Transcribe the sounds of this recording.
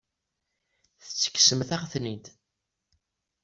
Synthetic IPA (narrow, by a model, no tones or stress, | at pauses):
θə̥t͡sːə̥kːsəmθæʁθnid̪